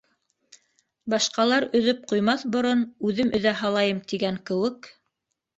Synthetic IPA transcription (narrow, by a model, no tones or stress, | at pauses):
bɑʃqɑlˠɑɾɵ̆ðɵp̚qujmɑθbŏɾonʉðɘmʔɵ̆ðæɦɑlˠɑjɤmt̪iɡæŋkɘ̆wɘk